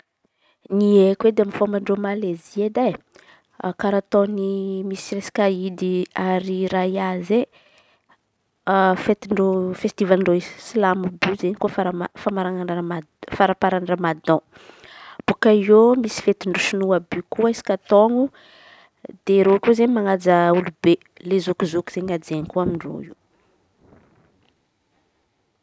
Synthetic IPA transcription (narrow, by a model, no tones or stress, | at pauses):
niekwed̪eamifomaɳɖ͡ʐomalezied̪a | kaɾat̪õnimisiresi̥kʲaid̪iaɾiɾajiaze | fet̪iɳɖ͡ʐofest̪ivalɳɖ͡ʐoiz̥silamubyzeɲkufaɾafamaɾaŋanaa | faɾapaɾanramad̪ɔ̃ | b̥ukaiomisi̥fet̪iɳɖ͡ʐoʃinuabykuaisi̥kat̪ɔŋu | d̪̥eɾokuzeɲmaŋad͡zaulube | lezokuzokiz̥eɲad͡zeɲikuamiɳro̰ḭ